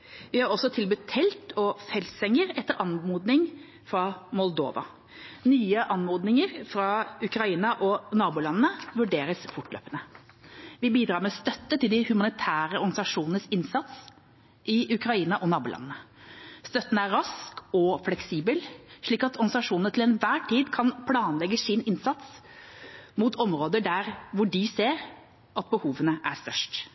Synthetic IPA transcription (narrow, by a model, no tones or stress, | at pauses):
ʋɪhɑɾɔsːɔt̪ʰɪlbʉt̪ʰːɛlt̪ɔfɛlsɛŋːəɾɛt̪ːəɾɑnmuːd̪nɪŋ | fɾɑmɔld̪o̰ːʋɑ̰ | nyːəʔɑnmoːd̪nɪŋəɾfɾɑʉkɾɑiːnɑʔɔnɑːbuːlɑnənəʋʉɖeːɾəsfʊʈːlø̰ːpənə | ʋɪbiːd̪ɾɑːɾmɛst̪œt̪ːət̪ɪld̪ɪhʉmɑnɪt̪ʰæːɾəɔɾɡɑnsɑʂuːnənəsɪnsɑt̪s | ʔɪʉkɾɑiːnɑʔɔnɑːbuːlɑ̰nnəst̪œt̪ːənəæɾɑskɔflɛksiːbəlʂɭiːkɑt̪ɔɾɡ̪sɑʂuːnnət̪ʰɪlɛnʋæːʈʰiːd̪kʰɑnpʰlɑːnlɛɡːəsɪnɪnsɑt̪s | mʊt̪ʰɔmɾoːd̪əɖæɾʋʊɖɪseːɾ | ʔɑt̪̚bəhuːʋənəʔæst̪œʂʈ